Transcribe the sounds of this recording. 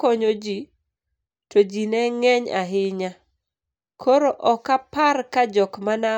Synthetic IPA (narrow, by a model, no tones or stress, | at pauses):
koɲod͡ʒi | tod͡ʒinɛŋɛɲa̰ɦɪɲa | kʰoɾoʔɔkaparkad͡ʒɔkmana